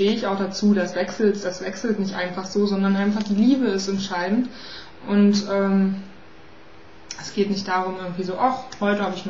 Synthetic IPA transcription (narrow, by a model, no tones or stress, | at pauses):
teːɪçaʊχd̥at͡suːdasv̥ɛksl̩td̥asv̥ɛksl̩tnɪçtʔaɪnfaχz̥oːzɔndɐnʔaɪnfaχd̥iːliːbəɪstɛntʃaɪdn̩t | ʔʊntʔɛːm | ʔɛsɡ̥eːtnɪçtd̥aːʁ̞ʊmʔɪɐɡŋ̩tv̥iːzoːʔɔχhɔʏtəɦhaːbəɪçn